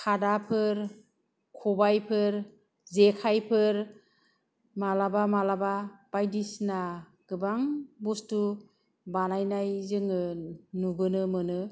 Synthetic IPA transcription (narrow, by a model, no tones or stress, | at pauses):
kʰadapʰɯɾ | kʰɔbajpʰɯɾ | zekʰajpʰɯɾ | malabamalabab̥ajdisna | ɡ̥ɯbaŋbustu | banajnajzɯŋɯnubɯnɯmɯnɯ